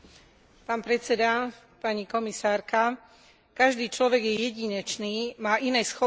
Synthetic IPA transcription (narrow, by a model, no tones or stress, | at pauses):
paːnpɾɛt͡sɛd̪a | paɲikɔmisaːɾka | kaʒd̪iːt͡ʃlɔʋɛɡjɛjɛɟiɲɛt͡ʃniːmaːʔinɛjsxɔ